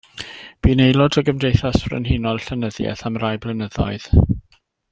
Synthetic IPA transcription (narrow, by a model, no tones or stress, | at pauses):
b̥iːnejlˠɔdəɡəmdejθasb̥rə̰nhɪnɔlˠɬənəðjɛ̰θamrajblˠənəðɔ̰ɨð̥